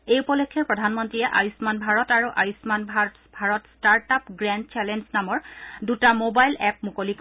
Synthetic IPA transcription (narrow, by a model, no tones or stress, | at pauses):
ejupɔlɔkʰːɛpɹɔdʱanmɔntɹiɛʔajusmanbʱaɹɔtaɹuʔajusmanbʱat | bʱaɹɔtstaɹtapɡɹɛnd̚t͡ʃɛlɛnznamɔɹdutamobajlɛp̚mukolik